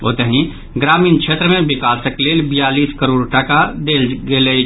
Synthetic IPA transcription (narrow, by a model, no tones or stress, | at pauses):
o̰ːt̪əɦĩ | ɡɾaːmiːnt͡ʃʰeːt̪ɾəmẽbɪkaːsəkleːlbijaːliːskəɾoːɽʈakad̪elɡelə